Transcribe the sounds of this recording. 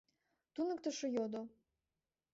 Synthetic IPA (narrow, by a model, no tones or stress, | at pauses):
t̪unəkt̪ə̆ʃɤ̆jod̪o